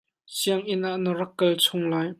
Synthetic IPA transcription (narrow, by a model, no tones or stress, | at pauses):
siəŋʔɪnʔaʔnəɾɐkːɐlt͡sʰʊŋlaːj